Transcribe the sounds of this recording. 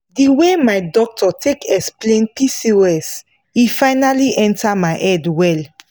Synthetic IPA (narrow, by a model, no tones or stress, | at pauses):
diwemajdɔk̚tʰɔtʰekʰɛksplẽnpisiɹɛs | ifaɪnaliʔɛ̃ntʰamaɪʔɛdwɛl